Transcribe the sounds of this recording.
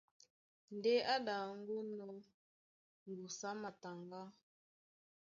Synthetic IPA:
n̩˨de˦ʔa˦ɗa˨ŋ̩˦ɡu˦nɔ˦ | ŋ̩˨ɡu˨sa˦ma˨ta˨ŋɡa˦

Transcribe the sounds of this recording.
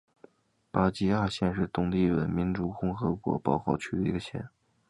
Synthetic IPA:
pa˥˩t͡ɕi˧˥a˥˩ɕjɛ˥˧nʂ̬ɻ̩˥˧t̪ʊ˥˩ŋt̪i˥˩wə̰˧˩nmi˧˥nʈ͡ʂu˧˨˩xʊ˥ŋxɤ˧˥kwɔ̰˧˥pɑ˥˩ʊxɑ˥˩ʊt͡ɕʰy˥˩d̪ə˨˩i˧˥ɡə˧ɕjɛ̰˥˦n

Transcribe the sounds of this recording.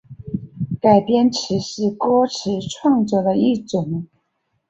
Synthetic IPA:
ka˨˩ɪpjɛ˥nʈ͡ʂʰɻ̩˧˥ʂɻ̩˥˩kɔ˥ʈ͡ʂʰɻ̩˧˥˦ʈ͡ʂʰwɑ˥˧ŋt͡sɔ˥˩d̪ə˨i˥˩ʈ͡ʂʊ˨˩˦ŋ

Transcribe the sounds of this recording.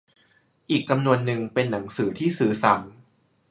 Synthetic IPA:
ʔiː˨˩k̚t͡ɕa˧mnu˧ənːɯ˧ŋpe˧nːa˩˦ŋsɯː˩˦t̪ʰiː˥˩sɯː˩˦sa˩˦m

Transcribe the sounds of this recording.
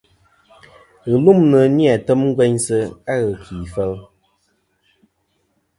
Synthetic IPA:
ɣə˨lu˦mnə˨ni˦a˨tə˦mŋ˦ɡwɛ˦ɲsə˦a˦ɣə˨kʰiː˨fɛ˦l

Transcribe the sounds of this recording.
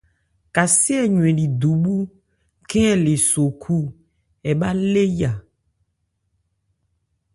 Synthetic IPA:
ka˨si˦ɛ˦ɲũ˨ẽ˨ɖi˨d̪u˨bu˦ | kɛ˦le˨so˨kʰu˦ | ɛ˨ba˦le˦ja˨

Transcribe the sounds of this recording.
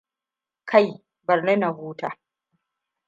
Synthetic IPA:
kʰa˦˨j | bɐ˨rnɐ˦na˨huː˦taː˨

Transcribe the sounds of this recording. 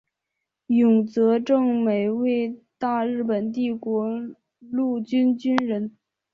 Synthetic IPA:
jʊ˨˩ŋt͡sɤ˧˥ʈ͡ʂɤ˥˩ŋme˨˩ɪwe˥˧ɪt̪a˥˧ɻɻ̩˥˩pə˨˩nt̪i˥˩kwɔ˧˥ | lu˥˩t͡ɕy˥nt͡ɕy˥nɻə˧˥n

